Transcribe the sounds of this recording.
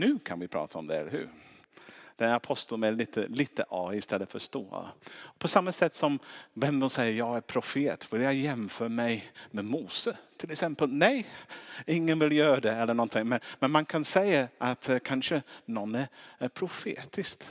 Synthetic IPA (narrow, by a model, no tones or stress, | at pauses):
nʉ̟ːkʰanvɪpʰɾɑ̰ːt̪ʰaɔmd̪ɛɛ̰lːə̰ɾhʉ̟̰ːɾ | d̪̥ɛapʰɔst̪əmæliːt̪ʰə̰liːt̪əʔɑvɪst̪ʰɛlːəfœɾʂt̪o̰ːpʰɔsamːasɛt̪ːsɔmvɛmd̪ɔnsɛjːəɾjɑːɡæɾpʰɾʊfeːt̪vɪljɑjɛmfœːɾamɛjmɛmuːsət̪ʰɪlɛksɛmpəlnɛj | ɪŋːənvɪljœːɾad̪ɛɛlːəɳɔnt̪ʰɪŋmɛnmɛnmankʰansɛjaʔat̪kʰanʂənɔnːæɾpʰɾʊfḛːt̪ʰɪst̪